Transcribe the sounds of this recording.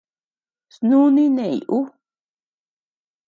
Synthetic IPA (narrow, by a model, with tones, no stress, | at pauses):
snũ˦nĩ˦nẽ˨ḭ˨ʔu˦